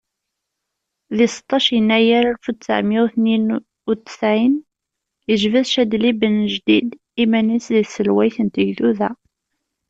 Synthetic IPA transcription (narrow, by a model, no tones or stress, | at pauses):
ðɪsə̥t̪ˤːɑʃjənːæjaɾælfut̪sə̰ʕmiwθnin | ut̪ːə̥sʕin | jəʒvæðʃæd̪libənəʒd̪id̪ | imænisðiθsəlwæjθənt̪əʝθuðæ